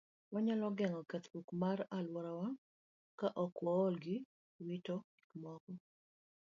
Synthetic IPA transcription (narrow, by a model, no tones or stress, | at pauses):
waɲalɔɡɛŋɔkɛt̪bukmaralwɔɾawa | kaʔɔkwɔːlɡɪ | witɔki̥kmɔkɔ